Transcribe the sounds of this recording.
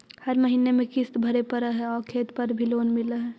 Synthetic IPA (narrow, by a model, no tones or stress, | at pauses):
hɐɾmɐɦiːnemẽkɪst̪bʱɐɾepɐɾaɦɛɔːɾkʰeːt̪pɐɾbʱiloːnmɪlaɦɛː